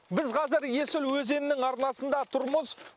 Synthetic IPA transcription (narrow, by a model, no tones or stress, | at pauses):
bɪzqʰɑzɪɾje̞sɪlwɵze̞nɪnɪŋɑɾnɑsənd̪ɑt̪ʰʊɾməz